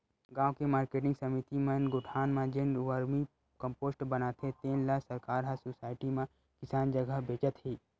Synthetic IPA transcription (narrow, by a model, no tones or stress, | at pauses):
ɡãːokemaːɾkeːʈɪ̃ŋɡsɐmit̪imənɡʊʈʰaːnmãd͡ʒeːnɾuʋəɾmi | kə̃mpoːsʈbɐnaːt̪ʰẽt̪eːnlasɐɾkaːɾɦasoːsaːɪʈimã | kɪsaːnd͡ʒəɡəɦbeːt͡ʃət̪ɦiː